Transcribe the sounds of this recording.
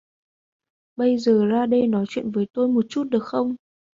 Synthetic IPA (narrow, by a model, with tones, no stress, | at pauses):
ɓə˧jzəː˨˩zaː˧ɗə˧jnɔ˨˦jt͡ɕwḭ˧˨ənvəː˨˦jt̪o˧jmo˨˩t̚t͡ɕu˦˥t̚ɗɨ˨˩ək̚xə˧wŋ͡m